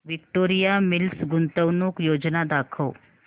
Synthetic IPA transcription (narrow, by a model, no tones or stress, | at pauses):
ʋɪkʈoːɾijamɪlsɡʊnt̪əʋnũkjoːd͡ʒnad̪aːkʰoː